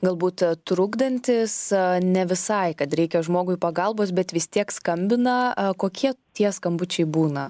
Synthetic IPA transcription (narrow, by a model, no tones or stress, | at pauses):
ɡɐlˠbuːt̪t̪ɾʊɡd̪ɐnʲt̪ʲɪsnʲɛʋʲɪsɐɪkɐt̪ɾʲɛɪkʲɛʒmoːɡʊɪpɐɡɐlˠboːsbʲɛt̪ʋʲɪst̪ʲiɛkskɐmʲbʲɪnɐkoːkʲiɛt̪ʲiɛskɐmbʊt͡ʃʲɛɪbuːnɐ